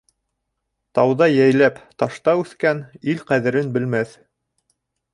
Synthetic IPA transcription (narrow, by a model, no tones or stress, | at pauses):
t̪ɑwðɑjæjlæpt̪ɑʃt̪ɑʉθkænilqæðɘ̆ɾɘnbɘ̆lmæθ